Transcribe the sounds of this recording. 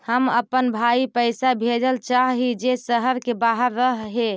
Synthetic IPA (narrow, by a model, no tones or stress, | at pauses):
həməpːənbʱaipəɪsabʱed͡ʒəlt͡ʃaɦɦid͡ʒesəɦəɾkebaɦəɾːəɦɦe